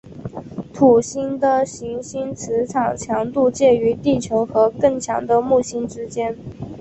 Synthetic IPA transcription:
t̪ʰu˨˩ɕi˥nd̪ə˨ɕi˧˥ŋɕi˥nt͡sʰɻ̩˧˥ʈ͡ʂʰɑ˨˩ŋt͡ɕʰjɑ˧˥ŋt̪u˥˧t͡ɕjɛ˥˩y˧˥t̪i˥˩t͡ɕʰjo˧˥ʊxɤ˧˥kɤ˥˩ŋt͡ɕʰjɑ̰˧˥ŋd̪ə˧mu˥˩ɕi˥nʈ͡ʂɻ̩˥t͡ɕjɛ˥n

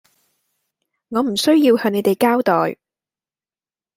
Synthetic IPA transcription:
ŋɔː˨˧m̩˨˩sɵ˥ɥjiː˧whœː˨˧ŋne˨˧jt̪e˨jkaː˥wt̪ɔː˨j

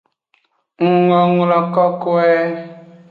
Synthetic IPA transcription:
ŋ̩˨ŋɔ˨ŋ˨lɔ˨kɔ˦kwɛ˦

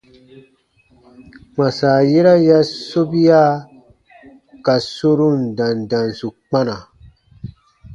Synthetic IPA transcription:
k͡pã˨saː˨je˦ɾa˦ja˦so˦bi˦ja˦ | ka˨so˦ɾũ˦ndã˨ndã˨n˨su˨k͡pa˦na˨

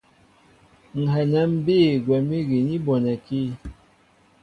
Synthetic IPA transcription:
ŋ̩˨ɦɛ˨nɛ˦m̩˦biː˦˨ɡwɛ˨mi˦ɡi˨ni˦bɔ˨nɛ˨ki˦

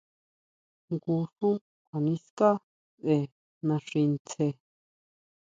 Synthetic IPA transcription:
ŋɡu˧ʂũ˦ | a˨nĩ˦ska˦ | se˧˨ | nã˧ʂĩ˧nt͡sʰe˧

